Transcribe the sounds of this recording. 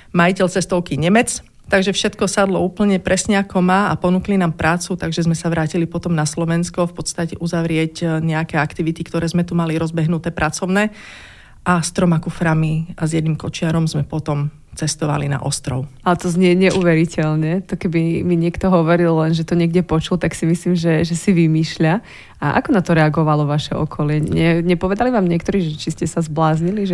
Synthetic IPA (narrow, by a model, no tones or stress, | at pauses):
majicɛlt͡sɛst̪ɔʊkiɲɛmɛt͡s | t̪aɡʒɛfʃɛt̪kɔsad̪lɔuːpl̩ɲɛpɾɛsɲɛakɔmaːapɔnuklinaːmpɾʔaːt͡sut̪aɡʒɛzmɛsaʋɾaːcilipɔt̪ɔmnaslɔʋɛnskɔfpɔt̪st̪acɛʔuzaʋɾɪɛcɲɛakɛːakt̪iʋit̪ikt̪ɔɾɛːzmɛt̪umaliɾɔzbɛɦnut̪ɛːpɾʔat͡sɔʊnɛː | ʔast̪ɾɔmakufɾamiazjɛd̪niːmkɔt͡ʃɪaɾɔmzmɛpɔt̪ɔm | t͡sɛst̪ɔʋa̰lina̰ʔɔst̪ɾɔʊalɛt̪ɔzɲɛɲɛʔuːʋɛɾicɛʎɲɛt̪ɔkɛbimiɲɪɛkt̪ɔɦɔʋɔɾilːɛnʒɛt̪ɔɲɪɛɡɟɛpɔt͡ʃult̪aksimisliːmʒɛʒɛsiʋimiːʃʎa | aʔa̰kɔnat̪ɔɾɛaɡɔʋalɔʋaʃɛɔkʰɔlɪɛɲɛɲɛpɔʋɛd̪aliʋaːmɲɪɛkt̪ɔɾiːʒɛt͡ʃiscɛsazblaːzɲiliʒɛ